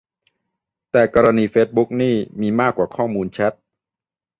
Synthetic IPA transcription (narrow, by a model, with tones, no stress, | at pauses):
t̪ɛː˨˩kɔː˧ɾa˧niː˧feː˦˥t̪̚bu˦˥k̚niː˥˩miː˧maː˥˩kːwaː˨˩kʰɔː˥˩muː˧nt͡ɕʰɛ˦˥t̪̚